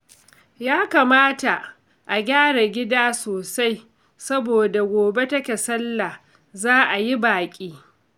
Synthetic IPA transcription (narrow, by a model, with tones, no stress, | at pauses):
jaː˦kaː˨maː˦ta˨ | ʔa˨ɡʲaː˦ɽa˨ɡʲɪ˦daː˦soː˨sa˦j | sɐ˦boː˨da˨ɡʷoː˨be˦tɐ˦kʲe˨sɐ˦lːa˨ | zaː˦ʔa˨ji˦baː˨kʲʼiː˦